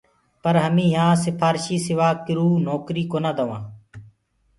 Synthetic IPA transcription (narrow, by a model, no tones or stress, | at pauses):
pəɾɦəmĩːɦãːsɪpʰaːɾʃiːsɪʋaːkɪɾuːnoːkɾiːkoːnaːd̪əʋãː